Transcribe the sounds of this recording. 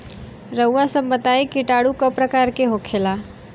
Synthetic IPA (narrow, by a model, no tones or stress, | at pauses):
ɾəwːasəmbət̪aikiʈaɽukəpɾəkaɾkeɦokʰela